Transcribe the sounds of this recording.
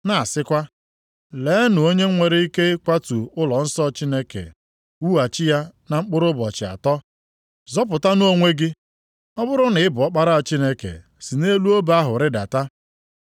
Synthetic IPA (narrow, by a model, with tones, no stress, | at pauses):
na˨sɪ˦kʷa˦ | leː˦nʊ˨o˦ɲe˦ŋʷe˨ɾe˦i˦ke˦kʷa˦tu˨ʊ˦lɔ˨n̩˦sɔ˦t͡ʃi˦ne˦kḛ˨ | u˦a˨t͡ʃɪ˦ja˦na˨ŋ͡m̩˦k͡pʊ˦ɾʊ˦bɔ̰˨t͡ʃɪ˨a̰˨tɔ˦ | zɔ˦p̬ʊ˨ta˦n˦o˦ŋʷe˦ɡɪ˦ | ɔ˦bʊ˦ɾʊ˦nɪ˨ɪ˦bʊ˨ɔ˦k͡pa˦ɾa˦a˨t͡ʃi˦ne˦kḛ˨ | si˨ne˦lu˦o˦ba˦ɦʊ˨ɾɪ˦da̰˨ta˦